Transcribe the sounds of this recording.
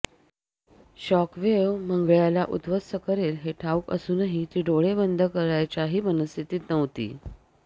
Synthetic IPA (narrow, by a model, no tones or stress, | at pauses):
ɕɔkʋeʋm̤əŋɡɭjalaʔṵt̪ʋəsəkəɾelɦeʈʰaukə̰suːnaɦit̪iːɖoɭebənd̪ʱəkəɾajt͡ɕaɦiːʋənəst̪ʰit̪iːt̪nəʋt̪ḭː